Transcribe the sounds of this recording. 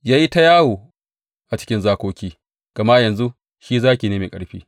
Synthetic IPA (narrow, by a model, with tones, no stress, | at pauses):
jaː˦ji˦ta˦jaː˦woː˨ | ʔa˨t͡ʃɪ̥˦kʲɪ˦nzaː˦kʷoː˦kʲiː˦ | ɡ̥ɐ˨ma˦jɐ˨nzu˦ | ʃiː˦zaː˦kʲiː˨neː˦meː˨kʼɐ̰˦ɽɸḭː˦